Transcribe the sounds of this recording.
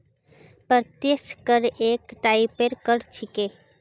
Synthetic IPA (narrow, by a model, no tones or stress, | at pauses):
pət̪jeskəɾeːkʈaɪpeɾkəɾt͡ʃʰɪkeː